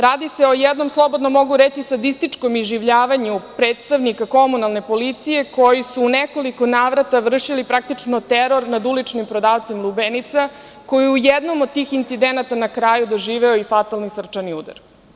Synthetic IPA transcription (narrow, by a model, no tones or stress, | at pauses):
ɾaːd̪iseo̞jɛd̪no̞mslˠo̞bod̪no̞mo̞ɡuɾet͡ɕisad̪ist̪it͡ʂko̞mizʒiʋʎaːʋaɲupɾeːt̪st̪aʋnikako̞munalˠne̞po̞lit̪sije̞ko̞jisuːneko̞liko̞naːʋɾat̪aʋr̩ʃilipɾak̚t̪it͡ʃnot̪eɾo̞ɾnad̪ulit͡ʂnimpɾo̞d̪aːʋt̪simlˠubenit̪sa | ko̞jiujɛd̪no̞mod̪̚t̪iːxint̪sid̪enat̪anakɾajud̪oʒiːʋɛoifat̪alnisr̩t͡ʃaniud̪a̰ɾ